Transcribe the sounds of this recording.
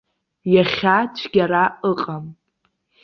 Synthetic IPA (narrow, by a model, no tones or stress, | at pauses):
jaχʲat͡ʃʷʰɡʲaɾaʔəqʼam